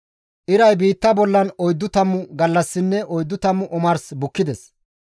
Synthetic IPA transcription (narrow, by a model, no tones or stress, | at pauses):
ʔɪɾɐjbiːt̪ːɐbɔlːɐnɔjd̪ːʊt̪ɐmːʊɡɐlːɐsːɪnːɛʔɔjd̪ːʊt̪ɐmːʊʔɔmɐɾsbʊkːɪd̪ɛs